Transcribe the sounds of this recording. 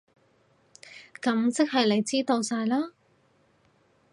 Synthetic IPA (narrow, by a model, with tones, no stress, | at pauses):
kɐ˨˥mt͡sɪ˥k̚hɐ˨jle˨˧jt͡siː˥t̪o˧wsaː˧jlaː˥